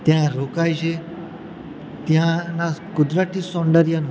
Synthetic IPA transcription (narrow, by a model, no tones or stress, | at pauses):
t̪jãɾokajʃʰe | t̪jãnakʊd̪ɾaʈ̪isɔ̃ɳɖəɾijanũ